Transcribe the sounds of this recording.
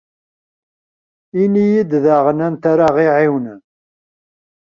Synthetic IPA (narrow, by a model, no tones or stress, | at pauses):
inijid̪ðaʁənænt̪aɾaʁiʕiwn